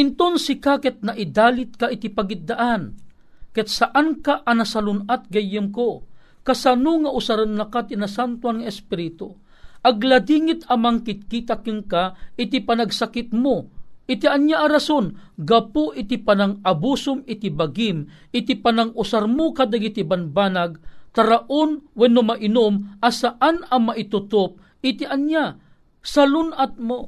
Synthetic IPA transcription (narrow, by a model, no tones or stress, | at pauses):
ɪnt̪onsɪkakɛt̪̚naʔɪd̪aːlɪt̪̚kaʔɪt̪ipaɡɪt̪̚d̪aʔan | kɛt̪̚saʔankaʔːnɐsalʊnat̪̚ɡɐjːɨmko | kasanoŋaʔʊsaɾɨnːɐkat̪inasant̪waŋɐɛspɪɾɪt̪o | ʔɐɡlad̪iŋɪt̪amaŋkɪt̪̚kit̪akɨŋkaʔɪt̪ipanaɡsakɪt̪̚moʔɪt̪iʔɐnjaʔɐɾasonɡɐpoʔɪt̪ipɐnaŋɐbuːsʊmɪt̪ibaɡim | ʔɪt̪ipanaŋʊsaɾmokad̪ɐɡit̪ibɐnbaːnaɡ̚t̪ɐɾaʔonwɛnomaʔɪnomʔɐsaʔanɐmaʔɪt̪ʊt̪op̚ | ɪt̪iʔɐnja | sɐlʊnat̪̚mo